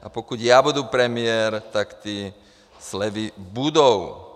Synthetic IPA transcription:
a̰pɔkuɟjabud̪upɾɛmɪɛɾt̪akt̪iː | slɛʋibud̪ɔʊ

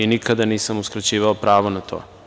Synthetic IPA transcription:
inikad̪aniːsamuskɾat͡ɕiːʋaopɾaːʋonat̪ʰo̰ː

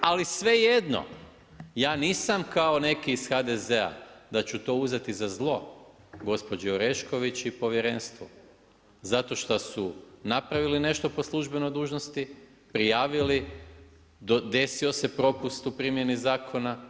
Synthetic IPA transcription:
alisʋe̞jed̪no̞̰ | jaːniːsamkao̞ne̞kiːsxad̪e̞zea̰d̪at͡ɕut̪o̞ːuze̞t̪izazlˠo̞ | ɡo̞spo̞d͡ʒɛoɾe̞ʃko̞ʋit͡ɕipo̞ʋjeɾe̞nst̪ʋo̰ | zat̪o̞ʃt̪osunapɾaʋiline̞ʃt̪o̞po̞slˠuʒbe̞no̞jd̪uːʒnost̪i | pɾijaːʋili | od̪e̞sio̞se̞pɾo̞pust̪upɾimje̞nizaːkʰo̞na

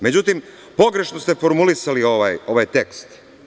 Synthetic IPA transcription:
me̞d͡ʑut̪im | po̞ɡɾe̞ʃnost̪e̞fo̞ɾmulisalio̞ʋajo̞ʋajt̪e̞kst̪

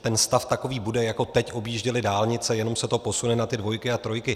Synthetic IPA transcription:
t̪ɛnst̪aft̪ako̞viːbudɛjako̞t̪ɛcʔo̞bjiːʒɟɪlɪdaːlɲɪt͡sɛjɛno̞msɛt̪opo̞sunɛnat̪ɪdvo̞jkɪat̪ɾo̞jkɪ

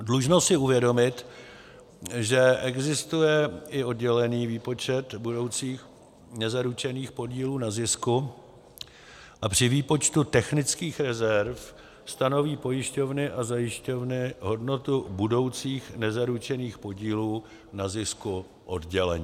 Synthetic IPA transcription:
dluʒnosɪuvjɛdomɪt̪ | ʒɛʔɛɡzɪst̪ujɛɪo̞dɟɛlɛniːviːpo̞t͡ʃɛt̪budo̞wt͡siːx | nɛzaɾut͡ʃɛniːxpo̞ɟiːluːnazɪsku | ʔapr̝̥ɪviːpo̞t͡ʃt̪ut̪ɛxnɪt͡skiːxɾɛzɛɾf | st̪ano̞viːpo̞jɪʃco̞vnɪʔazajɪʃco̞vnɪɦo̞dno̞t̪ubudo̞wt͡siːxnɛzaɾut͡ʃɛniːxpo̞ɟiːluː | nazɪsku | ʔo̞dɟɛlɛɲiː

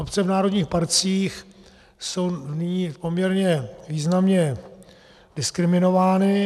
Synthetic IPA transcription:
opt͡sɛvnaːɾodɲiːxpaɾt͡siːx | so̞wnɪɲiːpo̞mɲɛɾɲɛviːznamɲɛ | d̥ɪskɾɪmɪno̞vaːnɪ

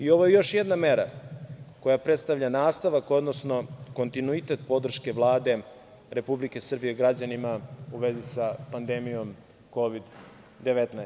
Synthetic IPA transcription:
io̞ʋojejo̞ʃjed̪nameɾa | ko̞japɾet̪st̪avʎʲanaːst̪aʋako̞d̪no̞sno̞ko̞nt̪inuit̪e̞t̪̚po̞d̪r̩ʃke̞ʋlˠaːd̪e̞ | ɾe̞publike̞sr̩bijeɡɾad͡ʑanimauʋezisapand̪emijo̞m | ko̞ʋid̪ | d̪e̞ʋet̪na

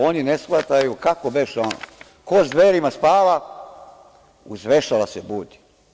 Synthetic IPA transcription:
o̞ninesxlˠat̪ajukakobeʃono̰ | koʒd̪ʋeɾimaspaːʋa | uzʋeʃaʋasebud̪i

